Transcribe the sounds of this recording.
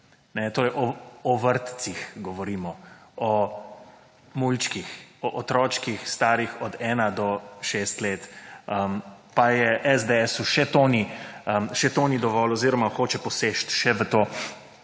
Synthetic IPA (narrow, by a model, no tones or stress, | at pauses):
nɛt̪oːɾɛjʔɔɔʋəɾt̪t͡s̪ixɡɔʋɔɾiːmɔɔ | mult͡ʃkixɔʔɔt̪ɾɔːt͡ʃkixst̪aːɾixɔd̪ɛːnad̪ɔʃeːst̪leːt̪əmpajɛʔɛzd̪eɛsuʃɛt̪oniəmʃɛt̪oːnid̪ɔʋɔlɔziːɾɔmaxoːt͡ʃɛpɔseʃt̪ʃɛʋət̪oː